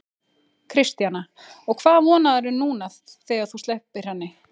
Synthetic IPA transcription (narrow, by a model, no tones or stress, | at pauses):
kʰɾɪst̪jana | ɔɣkʰvaːðvɔːnaðɛɾʏnuːnast̪θɛːɣaɾθust̪ɛhpɪɾ̥hanːɪ